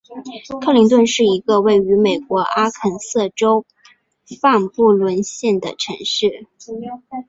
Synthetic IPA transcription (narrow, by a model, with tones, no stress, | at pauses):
kʰɤ˥˧li˧˥ŋt̪wə˥˧nʂɻ̩˥˩i˧˥ɡə˧we˥˩ɪy˧˥me˨˩ɪkwɔ˧˥ʔa˥kʰə˨˩nsɤ˥˩ʈ͡ʂo˥ʊ | fa˥˧ŋpu˥˩lwə˧˥nɕjɛ˥˩nd̪ə˩ʈ͡ʂʰɤ˧˥ŋʂɻ̩˥˩